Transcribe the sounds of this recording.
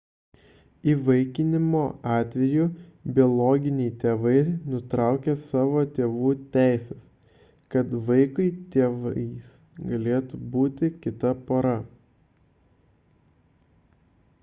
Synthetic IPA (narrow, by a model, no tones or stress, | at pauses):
iːʋɐɪkʲɪnʲɪmoːɑːt̪ʲʋʲɛjʊbʲɪɔlˠoːɡʲɪnʲɛɪt̪ʲeːʋɐɪnʊt̪ɾɑˑʊkʲeːsɑːʋoːt̪ʲeːʋuːt̪ʲæˑɪsʲɛs | kɐt̪ʋɐɪkɐɪt̪ʲeːʋɐɪs | ɡɐlʲeːt̪ubuːt̪ʲɪkʲɪt̪ɐpoːɾɐ